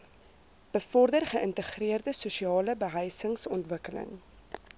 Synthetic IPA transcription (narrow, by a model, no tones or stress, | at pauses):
b̥əfɔrdərχəʔəntəχriərdəsuʃiɑːləbəɦəjsəŋsɔntvəkələ̰ŋ